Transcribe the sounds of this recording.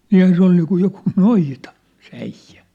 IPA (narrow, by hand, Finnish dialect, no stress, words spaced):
niːhæn se ol niːkuj jokuː noitɑ se æijːæ